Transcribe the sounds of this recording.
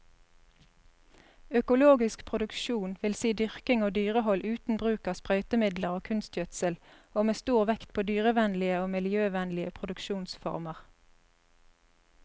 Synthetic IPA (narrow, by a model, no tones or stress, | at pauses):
œkʊloːɡɪskpʰʁʊd̪ʉkʃuːnʋɪlsiːd̪ʏʁkɪŋoːd̪yːʁəhɔlʔʉːt̪n̩bʁʉːkɑːspʁœʏt̪əmɪd̪ləʁoːkʰʉnst̪jœt̪səl | oːmeːst̪uːʁʋɛkt̪̚pʰoːd̪yːʁəʋɛnlɪəoːmɪljøːʋɛnlɪəpʰʁʊd̪ʉkʃuːnsfɔ̰ʁməʁ